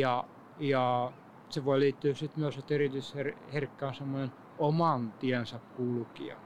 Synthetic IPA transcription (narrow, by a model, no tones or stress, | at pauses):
jɑ | jɑ | seʋoiliːt̪ːyːssit̪myøset̪erit̪ysherherkːæːnsemːonen | omɑnt̪iænsɑkkulkḭɑ̰